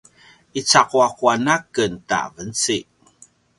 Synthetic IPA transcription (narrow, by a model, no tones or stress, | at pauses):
it͡sakuakuanakənta̰vənt͡si